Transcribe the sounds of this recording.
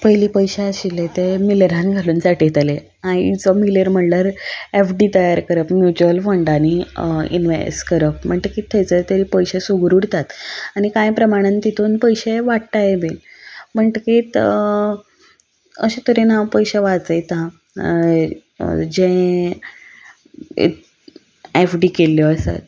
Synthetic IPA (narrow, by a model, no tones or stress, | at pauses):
pəjliːpəjɕeəɕilet̪emiləɾãnɡʱaluːnt͡saʈet̪ale | ãit͡sɔmiləɾm̤əɳlaɾefɖit̪əjaɾkəɾəpmjut͡ɕuəlfəɳɖaniḭnʋḛsʈkəɾəp̚m̤əɳʈəkiːt̪ʰːəjt͡sət̪əɾiːpəjɕesuɡɾuɽt̪at̪aɽ̃ikãjpɾəmaɽ̃ant̪it̪ʰuːnpəjɕeʋaʈt̪ajebenm̤əɳʈkit̪ | ə̰ɕet̪oɾenaʋpəjɕaʋat͡səjt̪ã | d͡ʑẽ | ḛ | efɖikeljɔəsa̰t̪̚